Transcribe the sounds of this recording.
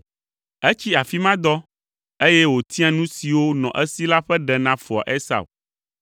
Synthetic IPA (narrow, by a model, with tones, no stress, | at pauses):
e˦t͡ɕi˦a˨fi˦mã˦d̪ɔ˦ | e˦jɛ˦wo˨t̪ʰi˦ã˨nũ˦si˨wo˦nɔ̰̃˨ʔɛ˦si˦la˦ɸɛ˦ɖɛ˨nã˦fɔ˨ɔ̰˨ʔe˦sa̰˨w